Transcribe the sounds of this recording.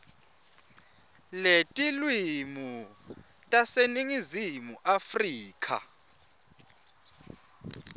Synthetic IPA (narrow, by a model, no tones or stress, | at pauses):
letʼilwimu | tʼaseniŋizimuʔafriːkʰa̰